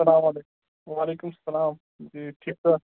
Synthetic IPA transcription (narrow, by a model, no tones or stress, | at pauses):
ɐlaːmalek | ʋaːleːkumsɐlaːm | d͡ʑiʈʰiːk̚sɐ